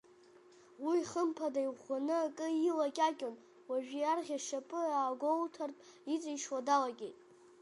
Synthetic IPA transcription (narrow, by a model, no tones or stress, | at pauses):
wijχəmpʰadajʁanɨakʼɨilakʲʼakʲʼon | waʒᶣiarʁʲaʃapʼɨaːɡʷoltʰartʼ | it͡sʼijʃwadalakʲʼejtʼ